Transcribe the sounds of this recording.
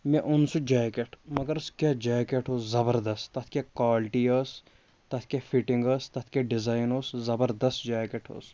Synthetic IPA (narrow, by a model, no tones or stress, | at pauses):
mẽʔʊnsud͡ʒaːkeʈʰmɐɡɐɾskʲjaːd͡ʒaːkeʈɦoːszɐbɐɾd̪ɐst̪ɐt̪ʰkʲakaːlʈiɐs | t̪ɐt̪ʰkʲafʰiʈiŋɡɐːst̪ɐt̪ʰkʲaɖɪzaːjnoːszɐbɐɾd̪ɐst̪d͡ʒaːkeʈʰɦo̰ːs